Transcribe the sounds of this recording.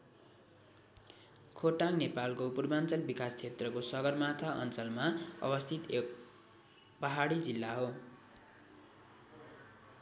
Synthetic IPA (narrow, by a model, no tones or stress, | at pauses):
kʰoʈaŋnepalkopurbant͡sʌlbikast͡sʰet̪rʌkosʌɡʌrmat̪ʰaʔʌ̰nt͡sʌlmaʌ̰bʌst̪ʰit̪ek̚ | pʌɦaɽid͡zilːaɦo